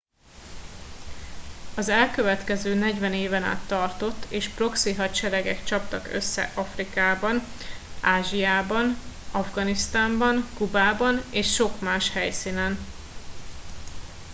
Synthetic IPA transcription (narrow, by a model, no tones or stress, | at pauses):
ɒzɛlkøvɛt̪kɛzøːnɛɟvɛneːvɛna̰ːt̪ːɒrt̪o̞t̪ːeːʃpro̞ksiɦɒt͡ʃɛɾɛɡɛkt͡ʃɒp̚t̪ɒkø̰sːɛ̰ʔɒfrikaːbɒn | ʔaːʒiaːbɒn | ɒvɡɒnist̪aːmbɒnkubaːbɒneːʃʃo̞kmaːʃhɛjsiːnɛn